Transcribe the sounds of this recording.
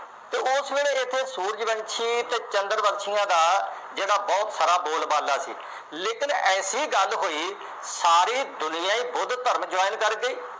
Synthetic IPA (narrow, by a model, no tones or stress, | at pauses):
t̪eːʊsʋeːɽeːɪt̪ʰːeːsuːɾəd͡ʒbənt͡ʃʰiːt̪eːt͡ʃənd̪əɾbət̪ʃʰɪjãːd̪aː | d͡ʒeːɽaːbɔːt̪saːɾaːboːlbaːlːaːsḭː | leːkɪnɛːsiːɡəlɦoːiː | saːɾiːd̪ʊnɪãːiːbʊd̪t̪əɾmd͡ʒʊaːɪnkəɾɡəiː